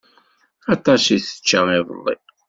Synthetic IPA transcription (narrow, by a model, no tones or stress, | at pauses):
ɑt̪ˤɑsiθə̥t͡ʃːaɪvə̰lˤːḭ